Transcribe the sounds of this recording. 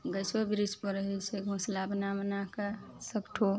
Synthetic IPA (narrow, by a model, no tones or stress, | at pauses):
ɡəsobiɾispəɾɦet͡ʃʰeɡʱõslabnamənakə | səkʈʰo